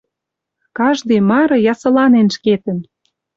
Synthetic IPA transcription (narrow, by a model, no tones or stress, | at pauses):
kɑʒd̪ejmɑɾɤ̆jɑsɤ̆lɑnenʃket̪ə̆n